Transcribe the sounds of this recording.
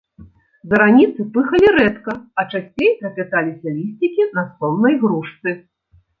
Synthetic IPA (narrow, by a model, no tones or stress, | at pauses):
zɐɾanʲit̪sɨpɨxɐlʲiɾɛt̪kɐɐt͡ʂasʲt͡sʲejpɾɐpʲat̪alʲisʲɐlʲisʲt͡sʲikʲinɐsɔmnɐjɣɾuʂt̪sɨ